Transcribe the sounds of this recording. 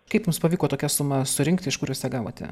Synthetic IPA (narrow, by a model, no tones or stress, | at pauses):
kɐɪpjʊmspɐʋʲiːkoːt̪oːkʲɛsʊmɐsʊɾʲɪŋkt̪ʲɪɪʃkʊɾʲjuːsʲt̪ʲɛɡɑːʋo̰ːt̪ʲɛ̰